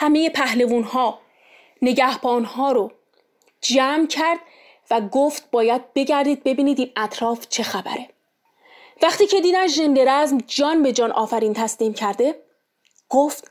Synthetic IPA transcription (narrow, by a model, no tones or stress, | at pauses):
hæme̞je̞pʰæhle̞vuːnhɒː | ne̞ɟæhb̥ɒːnhɒːɾo | d͡ʒæːmcʰæɾd̪̥ | væɡoft̪̚bɒːjæd̪̚be̞ɟæɾd̪iːd̪̚be̞biːniːd̪iːmæt̪ʰɾɒːft͡ʃʰe̞xæbæ̰ɾe̞ | væχt̪iːcʰe̞d̪iːd̪ænʒend̪e̞ɾæzmd͡ʒɒːnbe̞d͡ʒɒːnʔɒːfæɾiːnt̪ʰæsliːmcʰæɾd̪e̞ | ɡ̥oft̪